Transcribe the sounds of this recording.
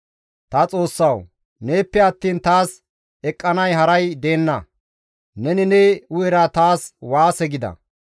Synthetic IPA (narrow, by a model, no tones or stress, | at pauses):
t̪ɐt͡sʼo̞ːsːɐw | ne̞ːpːɛɐt̪ːiːnt̪aːs | ɛkʼːɐnɐjɦɐɾɐjd̪e̞ːnːɐ | nɛnɪnɛʊjɛɾɐt̪aːswaːsɛɡɪd̪ɐ̰